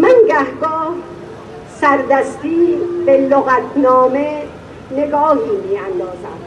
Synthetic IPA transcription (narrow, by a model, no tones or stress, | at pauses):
mænɡæhɡɒːh | sæɾd̪æst̪iːbeloɣæt̪ʰnɒːme | neɡɒːhiːmiːænd̪ɒːzæ̰m